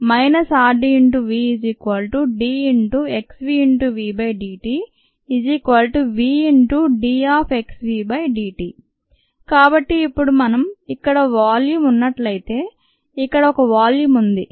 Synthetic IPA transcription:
mɐjnɐsaːɖiiɳʈuʋiːid͡ʒiːkʋɐlʈuɖiːiɳʈue̞ksʋiːiɳʈuʋiːbɐjɖiːʈiː | id͡ʒikʋɐlʈuʋiːiɳʈuɖiːaːpʰeksʋiːbɐjɖiːʈiː | kaːbɐʈːiːpːuɽumɐnɐmikːɐɽɐʋaːljuːmunːɐʈlɐjit̪e̞ː | ikːɐɽɐɔkɐʋaːljuːmund̪i

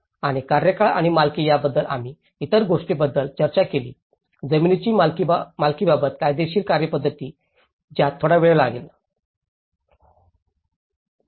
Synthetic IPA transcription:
aɽ̃ikaɾjəkaɭa̰ɽ̃imalkiːjabəd̪ːəlʔa̰m̤iː | t̪əɾɡoʂʈibəd̪ːəlt͡ɕəɾt͡ɕakelḭː | d͡zəminit͡ɕiːmalkibabət̪kajd̪eɕiːlkaɾjəpəd̪ːət̪iː | d͡ʑjat̪ʰːoɽaʋeɭlaɡel

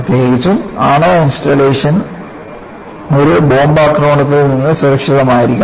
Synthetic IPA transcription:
ɐt̪jeːɣit͡ɕːuma̰ːɳɐinsʈɐleːʂɐn | oɾubo̞ːmbaːkroːɳɐt̪̬ːilninːɨsuɾɐkʂiðɐmaːjiɾikʲːu

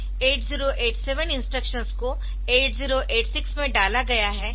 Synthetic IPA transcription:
eːʈziːɾoʔeːʈsɛːʋənɪ̃nsʈɾəkʃənsko | eːʈziːɾoʔeːʈsɪksmẽɖaːlaɡɐjaɦɛː

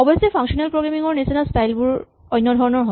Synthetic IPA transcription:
ɔbɔsepʰaŋʃɔnalpɹoɡɹamiŋɔɹnisinastajlbuɹ | ɔjnːɔdʱɔɹɔnɔɹɦɔ

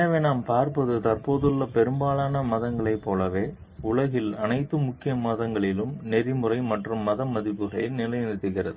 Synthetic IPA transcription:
ɐʋeːnaːmpaːɾpɐðɯt̪ɐrpoːðɯɭːɐpɛɾɯmbaːlaːnɐmɐðɐŋɡɐɭɐɪpːoːlɐʋeː | ʊɭɐɣɪlɐnɐɪt̪ːɯmʊkːɪjɐmɐðɐŋɡɐɭɪlɯmnɛɾɪmɯrɐɪmɐʈrɯmːɐðɐmːɐðɪpːɯɣɐɭɪnɪlɐjnd̪ɯt̪ːɯɣɪrɐðɯ

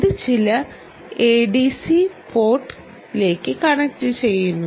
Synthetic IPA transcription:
ɐðɨt͡ɕilɐ | eːɖisipo̞ːʈː | le̞ːkːɨkɐɳɐt͡ɕːɨt͡ɕejːunːu

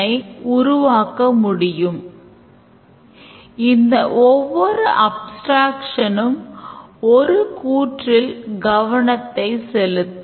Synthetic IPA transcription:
ɐɪʊɾʊʋaːkːɐmʊɽɪjɯm | ɪnd̪ɐʔɔʋːɔɾɯʔɐbsʈɾaːkʂɐnɯm | ɔɾɯkuːʈrɪlɡɐʋɐɳɐt̪ːɐɪsɛlɯt̪ː

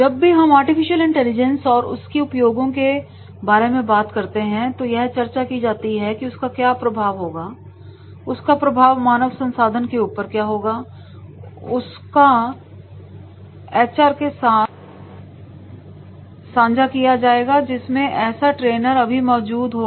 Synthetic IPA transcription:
d͡ʒɐbːiɦɐmaːɾʈɪfɪʃəlɪ̃ɳʈɛːlɪd͡ʒɛ̃nsɔːɾʊ̰skiʊpjoːɡõke | baːɾemẽbaːt̪kɐɾt̪eɦɛ̃t̪ojɛɦt͡ʃɐɾt͡ʃakid͡ʒaːt̪iɦɛkiʊskakjaːpɾɐbʱaːʋɦoːɡaː | ʊskapɾɐbʱaːʋmaːnəʋsɐ̃nsaːd̪ʱənkeuːpəɾkjaːɦoːɡaː | ʊs | ka | ɛːt͡ʃaːɾkesaːt̪̚ʰ | sãːɲd͡ʒakijad͡ʒaːeːɡad͡ʒɪsmẽʔɛːsaʈɾeːnəɾɐbʱimɔːd͡ʒuːd̪ɦo

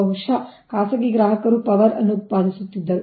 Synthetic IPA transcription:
ɐwʂakaːsɐɡiɡɾaːɦɐkɐɾupɐʋɐɾɐ̰nːup̚paːd̪ʱisut̪ːid̪ːɐɾu

